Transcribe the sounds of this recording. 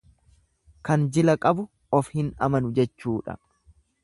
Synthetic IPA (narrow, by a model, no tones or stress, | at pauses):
kɐnd͡ʒɪlɐkʼɐbʊ | ɔfhɪnɐ̰mɐnʊd͡ʒɛt͡ʃːuːᶑɐ̰